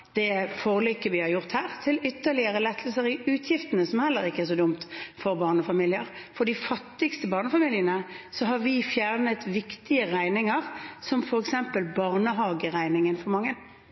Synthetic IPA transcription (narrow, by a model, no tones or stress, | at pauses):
d̪̥ɛfoːʁəlyːkːəʋɪhɑɾjʊʁt̪hæːʁt̪ʰɪlʏt̪ːəɭɪəɾəlɛt̪ʰːəlsəɾɪʉːt̪ʰjɪft̪ənəsɔmhɛlːəɾɪkːəɛʁʂɔd̪ʊmt̪fɔɾbɑːʁnəfɑmiːlɪəɾfɔd̪ifɑt̪ːɪɡst̪əbɑːʁnəfɑmiːlɪənəsɔɦɑɾʋɪfjæːʁnət̪ʋɪkt̪ɪəɾæɪnɪŋəʁsɔmfɔɾɛksɛmpəlbɑʁnəɦɑːɡəʁæɪnɪŋənfɔɾmɑŋːən